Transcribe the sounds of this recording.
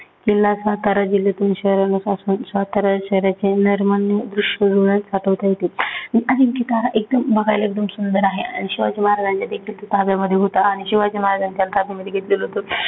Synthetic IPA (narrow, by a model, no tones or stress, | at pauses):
kilːasʋat̪aɾad͡ʑilːet̪uːnɕəɦɾjanosasuːnsʋat̪aɾaɕəɦɾjat͡ɕeniɾmanːjəd̪ɾuɕʋəd͡zoɽat̪saʈʰəʋt̪aɦet̪ianiʔad̪imkit̪aɾaʔek̚d̪əmbʱəɡʱajlek̚d̪əmsund̪əɾaɦea̰ɽ̃ñiɕiʋad͡ʑimaɦɾad͡zant͡ɕad̪ekʰiːlt̪ut̪ʰabjaməd̪ʱːjeɦot̪aːɽ̃iɕiʋad͡ʑimaɦɾad͡zant̪jalt̪ʰabjaməd̪ʱjeɡʱet̪lelɦot̪o